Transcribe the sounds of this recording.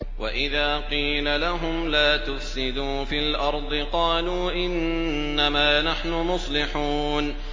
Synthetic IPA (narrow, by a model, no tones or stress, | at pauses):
waʔɪðaːqiːlalaɦʊmlaːt̪ʊfsɪd̪uːfiːlʔɑɾˤd̪ˤɨqɑːluːʔɪnː | amaːnaħnʊmʊsˤlɪħuːn